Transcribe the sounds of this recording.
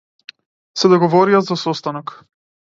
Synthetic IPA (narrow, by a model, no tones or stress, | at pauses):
sɛd̪ɔɡɔvɔɾiazasɔst̪anɔk